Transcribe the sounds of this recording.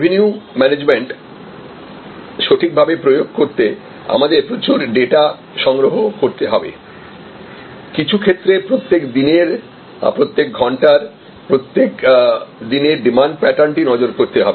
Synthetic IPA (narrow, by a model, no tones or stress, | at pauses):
bʱiniumɛned͡ʑmeɳʈ | ʃoʈʰik̚bʱabepɾojoɡ̚koɾt̪e | a̰mad̪eɾpɾot͡ɕuɾɖeʈa | ʃɔŋɡɾoɦokoɾt̪eɦɔbḛ | kit͡ɕʰukʰet̪ːɾepɾot̪ːekd̪ineɾ | pɾot̪ːek̚ɡʱɔɳʈaɾ | pɾot̪ːekd̪ineɾɖimaɳɖ̚pɛʈaɳʈinɔd͡ʑoɾkoɾt̪eɦɔbe